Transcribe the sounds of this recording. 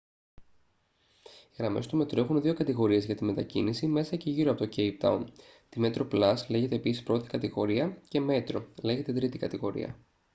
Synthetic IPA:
iɣɾɐme̞st̪ume̞t̪ɾe̞xunðio̞kɐt̪iɣo̞ɾie̞zʝɐt̪ime̞t̪ɐcḭnisime̞sɐce̞ʝiɾoɐpo̞t̪o̞cejp̚t̪ɐ̰unt̪ime̞t̪ɾo̞plɐsle̞ʝe̞t̪eːpisispɾo̞t̪i̥kɐt̪iɣo̞ɾiɐce̞me̞t̪ɾo̞le̞ɣe̞t̪et̪ɾit̪ikɐt̪iɣo̞ɾḭɐ̰

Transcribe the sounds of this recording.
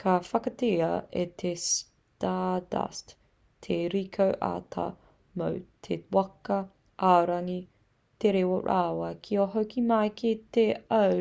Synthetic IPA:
kʰɐfɐkɐteɐḛt̪ʰes | tada̰st | tʰeɾikʰowʔa̰ːtʰa̰ | mo̰wtʰewɐkɐ | ʔaɾɐŋi | t̪eɾewoɾʔaːwɐkʰioɦɐwkimɐjkiteɐ

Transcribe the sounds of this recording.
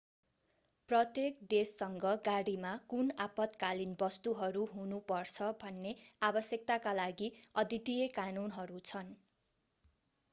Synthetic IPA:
prʌt̪jekd̪esːʌŋɡʌɡaɽimakunapʌt̪kalinbʌst̪uɦʌɾuɦunupʌrt͡sʰʌbʱʌnːeabʌsjʌk̚t̪akalaɡiʌd̪it̪ijekanunɦʌɾut͡sʰʌn

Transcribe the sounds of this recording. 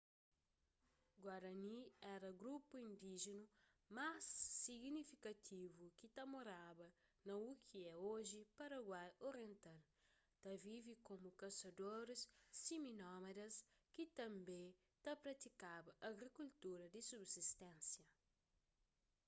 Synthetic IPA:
ɡwaɾɐniɛɾɐɡɾupuĩnd̪iʒenu | masːiɡnifikɐt̪ʰivukit̪ɐmoɾabɐ | nɐukʰiɛoʒipɐɾɐɡwajoɾjẽnt̪al | t̪ɐvivikomukɐsɐd̪oɾesːiminɔmed̪ɐskit̪ɐ̃mbe | t̪ɐpɾɐt̪ikabɐʔɐɡɾikult̪uɾɐd̪isubsist̪ɛ̃nsjɐ

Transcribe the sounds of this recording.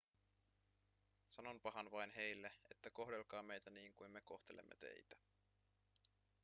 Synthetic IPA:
sɑno̞npɑɦɑnʋɑjnɦe̞jlːee̞t̪ːæko̞ɦde̞lkɑːme̞jt̪æniːŋkujnme̞ko̞ht̪e̞lḛmːʔe̞t̪e̞̰jt̪æ̥

